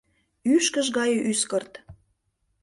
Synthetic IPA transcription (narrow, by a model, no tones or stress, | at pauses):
yʃkə̆ʒɣɑjəʔyskə̆rt̪